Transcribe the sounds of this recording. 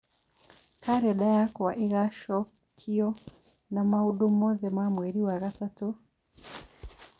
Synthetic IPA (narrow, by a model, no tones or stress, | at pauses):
kaɾɛɗajakwaʔiɣaʃɔ | kʰiɔ | namauɗumɔðɛmamwɛɾiwaɣatatu